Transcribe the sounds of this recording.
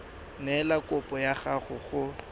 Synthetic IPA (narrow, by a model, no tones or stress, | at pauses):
nɛlakʼʊpʼɔjaɣaχʊɣʊ